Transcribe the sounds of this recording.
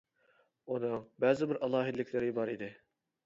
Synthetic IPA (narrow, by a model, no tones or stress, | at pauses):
unɨŋbæzɪbɪɾʔɑlˠɑːɦɪd̪ɪlːɪkʲʰlɪɾɪbɑɾid̪ɪ